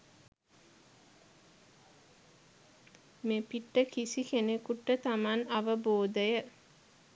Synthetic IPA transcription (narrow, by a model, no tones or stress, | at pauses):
mepiʈːəkisikenekuʈːət̪amanaʋəboːd̪əjə